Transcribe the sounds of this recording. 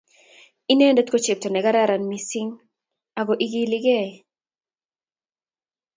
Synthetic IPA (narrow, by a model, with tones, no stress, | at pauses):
i˦ne˦nde˦t̪̚ko˦t͡ʃe˨p̚to˨nɛ˨ɡa˦ɾa˦ɾa˨nmi˨si˦ŋ | a˨ɡo˨ʔi˦ɡi˦lɪ˦ɡɛ˦˨